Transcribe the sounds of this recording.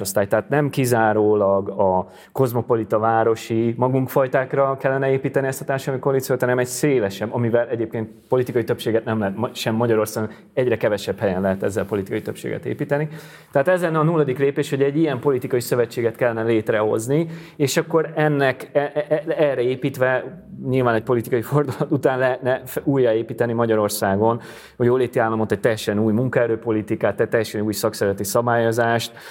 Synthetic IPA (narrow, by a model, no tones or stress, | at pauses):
ost̪aːjt̪ɛɦaːt̪nɛmkizaːɾoːlɒɡɒ | ko̞zmo̞po̞lit̪ɒvaːɾo̞ʃimɒɡuŋkfɒjt̪aːkrɒkɛlːɛnɛeːpiːt̪ɛniɛst̪ɒ̥t̪aːrʃɔlmiko̞nd̪it̪sijot̪hɒnɛmɛɟseːlɛʃɛbːɒmivɛlʔɛɟeːp̚keːnt̪̚po̞lit̪ikɒjit̪ø̞pʃeːɡɛt̪nɛmlɛɦɛt̪mʃɛmːɒɟɒɾo̞rsaːɡon | ɛɟrɛkɛvɛʃɛbhɛjɛnlɛɦɛt̪ɛzːɛlpo̞lit̪i̥kɒjit̪øpʃḛːɡɛ̰t̪ḛːpiːt̪ɛni | t̪ɛaːt̪ɛzlɛnːɛɒnuːlːɒd̪ikleːpeːʃho̞ɟɛɟijɛmpo̞lit̪ikɒjisø̞vɛt͡ʃːeːɡɛt̪kɛlːɛnɛleːt̪rɛɦo̞̰zni | eːʃɒkːo̞ɾɛnːɛkɛɛrɛeːpiːt̪ʋɛɲilvaːnɛc̚ʲpo̞lit̪ikɒifo̞rd̪ulɒt̪ut̪aːnlɛɦɛt̪nɛujːaeːpiːt̪ɛnimɒɟɒɾo̞rsaːɡo̞n | ho̞ɟoːleːt̪iaːlːɒmo̞t̪ɛc̚t̪ɛjːɛʃɛnuːjmuŋkɔɛɾøːpo̞lit̪ikaːt̪ːɛt̪ːɛjːɛʃɛnuːjsɒksɛɾzɛt̪isɒbaːjo̞zaːʃt̪